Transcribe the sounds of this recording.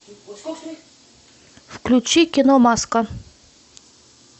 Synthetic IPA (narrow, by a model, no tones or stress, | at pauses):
fklʲut͡ɕikʲɪnomaskə